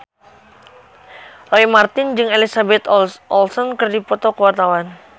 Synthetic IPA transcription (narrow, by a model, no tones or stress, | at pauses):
loimart̪ɪnd͡ʒɨŋelisabɛt̪ɔlsɔnkɨrdipɔt̪ɔkəwart̪awan